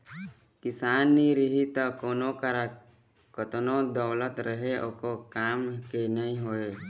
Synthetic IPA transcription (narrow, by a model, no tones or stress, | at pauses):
kɪsaːnːiɾɪɦit̪akoːnokəɾa | kət̪nod̪əːlət̪ɾəɦeʔokokaːmkenəĩɦoːeː